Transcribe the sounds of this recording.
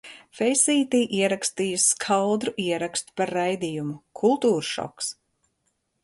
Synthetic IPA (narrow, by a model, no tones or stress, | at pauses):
fɛjsiːt̪iːʔiɛɾakst̪ijɨskʰald̪ɾuʔiɛɾakst̪u̥paɾajd̪ijumukʰulˠt̪uːɾʃɔ̰ks